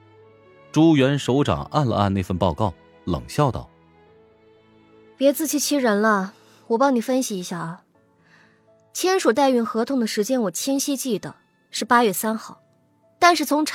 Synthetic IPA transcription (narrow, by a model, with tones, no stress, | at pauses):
ʈ͡ʂu˥ɥɛ˧˥nʂo˧˥ʊʈ͡ʂɑ̰˨˩ŋa̰˥˩nlə̰˧a̰˥˧ne˥˩ɪfə˥˧npɑ˥˧ʊkɑ˥˩ʊ | lɤ̰˨˩ŋɕjɑ˥˧ʊt̪ɑ̰˥˩ʊ | pjɛ˧˥t͡sɹ̩˥˩t͡ɕʰi˥˩t͡ɕʰi˥ɻə˧˥nlə˧ | wɔ˨˩p̬ɑ˥ŋni˨˩fə˥nɕi˨˩i˧˥ɕja˥˩ | t͡ɕʰjɛ˥nʂu˨˩t̪a˥˧ɪy˥˩nxɤ˧˥t̪ʰʊ˧˥ŋd̪ə˨ʂɻ̩˧˥t͡ɕjɛ˥nwɔ˨˩t͡ɕʰjɛ˥nɕi˥t͡ɕi˥˩d̪ə̰˩ | ʂɻ̩˥˩pa˥ɥɛ˥˩sa˥nxɑ˥˩ʊ | t̪a˥˧nʂɻ̩˥˩t͡sʰʊ˧˥ŋʈ͡ʂʰ